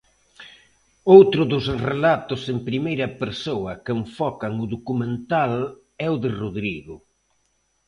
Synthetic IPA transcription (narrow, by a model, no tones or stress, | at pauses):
owt̪ɾʊðʊsrelat̪ʊsempɾimejɾɐpeɾsowɐkeɱfɔkɐŋʊðokumẽnt̪al | ɛʊðɪroðɾiɣʊ